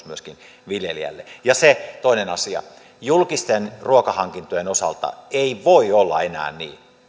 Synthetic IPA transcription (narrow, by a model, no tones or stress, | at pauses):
smyøskin | ʋiljeliæ̰lːejɑset̪oinenɑsiɑ̰ | julkist̪enruokɑhɑŋkint̪ojenosɑ̰lt̪ɑ̰eiʋoiolːɑ̰enæ̰ːnnḭː